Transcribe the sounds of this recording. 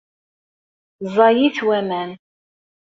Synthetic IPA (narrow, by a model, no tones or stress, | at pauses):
zˤɑjiθwæmæn